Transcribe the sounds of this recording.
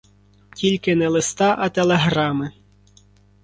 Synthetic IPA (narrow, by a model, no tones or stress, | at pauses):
tʲilʲkɪnɛlˠɪst̪ɑʔɐt̪elˠeɦɾɑmɪ